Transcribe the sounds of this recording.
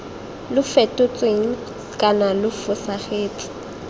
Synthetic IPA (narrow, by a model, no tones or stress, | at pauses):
lʊfɛtʼʊt͡sʼweŋ̩ | kʼanalʊfʊsaχeːt͡sʼɪ̥